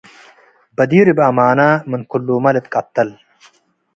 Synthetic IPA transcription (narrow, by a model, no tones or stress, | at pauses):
bɐd̪iːɾibɐmaːnaːmɨnkʰulːuːmɐlet̪̚kʼɐt̪ːɐl